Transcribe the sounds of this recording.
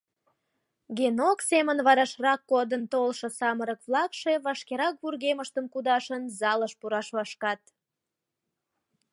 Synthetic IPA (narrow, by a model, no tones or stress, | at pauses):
ɡenoksemənβɑɾɑʃrɑkːod̪ənt̪olʃɤ̆sɑməɾəkβlɑkʃe̽βɑʃkeɾɑk̚βurɣeməʃt̪əmkud̪ɑʃənzɑləʃpuɾɑʃlɑʃkɑt̪